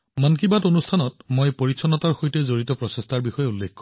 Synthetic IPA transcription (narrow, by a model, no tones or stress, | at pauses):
mankibatonust̪ʰanɔt̚mojpɔɹisʰɔnɔt̪aɹxojtezoɹit̪ɔpɹɔsest̪ʰaɹbixɔjeulːekʰːkɔ